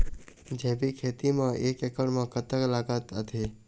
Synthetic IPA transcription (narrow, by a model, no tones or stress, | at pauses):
d͡ʒɛ̃ːbikʰeːt̪imãʔeːkekəɽmãkət̪əklaːɡət̪ət̪ʰe